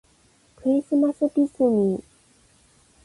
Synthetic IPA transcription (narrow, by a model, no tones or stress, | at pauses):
kɯ̟ɾʲisɨmasɨpisɨnʲi